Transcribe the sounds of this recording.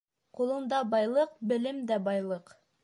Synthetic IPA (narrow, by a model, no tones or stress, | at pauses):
qulˠɤ̆nd̪ɑbɑjlˠɤqbɘ̆lɘmd̪æbɑjlˠɤq